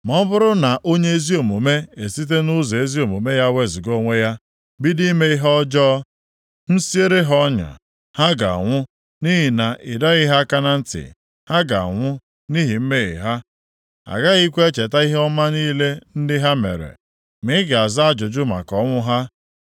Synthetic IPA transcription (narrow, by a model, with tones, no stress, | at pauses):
m˨ɔ˦bʊ˦ɾʊ˦na˨ʔo˦ɲe˦e˦zi˦o˨mo˨me˦e˨si˦t̬e˦nʊ˦ze˨e˦zi˦o˨mo˨me˦ja˦we˦˨zi˨ɡo˦ŋʷe˦ja˦ | bi˦di˦me˦i˦ɦɔ˦d͡ʒɔ˦ | n̩˦si˦e˦ɾe˦ɦɔ˦ɲa̰˨ | ha˦ɡa̰˨ŋʷʊ˦ | ni˦ɦi˨na˨ʔɪ˨da˦ɣɪ˦ɦa˦ka˦na˦n̩˦tɪ̰˨ | ha˦ɡa̰˨a̰˨ŋʷʊ˦ | ni˦ɦi˨m̩˦me˦ɣɪ̰˨ɦa˦ | a̰˨ɡa˦ɣi˦kʷe˦e˦t͡ʃe˨ta˦i˦ɦe˦ɔ˦ma˦niː˦le˦n̩˦dɪ˦ɦa˦mḛ˨ɾḛ˨ | mɪ˦ɪ˦ɡa˨a˨za˦a˦d͡ʒʊ˨d͡ʒʊ˦ma̰˨kɔ˦ŋʷʊ˦ɦa˦